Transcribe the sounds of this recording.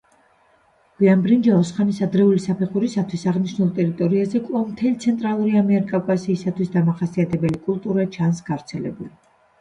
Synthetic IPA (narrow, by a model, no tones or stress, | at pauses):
ɡ̥iambɾind͡ʒaɔsχanisad̪ɾɛulisapʰɛχuɾisat̪ʰwisaʁniʃnulˠt̪ʼɛɾit̪ʼɔɾiazɛkʼvavmt̪ʰɛlit̪sʰɛnt̪ʼɾalˠuɾiamɛɾikʼavkʼasiːsat̪ʰwisd̪amaχasiat̪ʰɛbɛlikʼulˠt̪ʼuɾat͡ʃʰansɡ̥avɾt̪sʰɛlɛ̰buli